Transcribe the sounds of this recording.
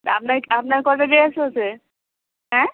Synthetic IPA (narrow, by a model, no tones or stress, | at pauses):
apnaɾapnaɾkɔʈadeasʰeot͡ɕʰe | ɦɛ̃